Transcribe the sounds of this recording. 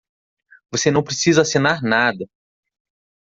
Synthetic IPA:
vosenɐ̃w̃pɾesizɐasinaɾnad̪ɐ

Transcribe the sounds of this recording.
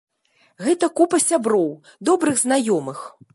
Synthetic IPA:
ɣɛt̪ɐkupɐsʲabɾɔw | d̪ɔbɾɨɣznajɔmɨx

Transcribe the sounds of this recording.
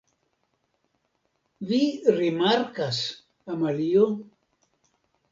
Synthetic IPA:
viɾimaɾkas | amalio

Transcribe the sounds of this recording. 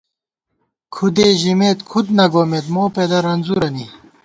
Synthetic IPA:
kʰud̪eːʑimeːt̪kʰud̪nɐɡoːmeːt̪moːped̪ɐɾɐnzuɾɐni

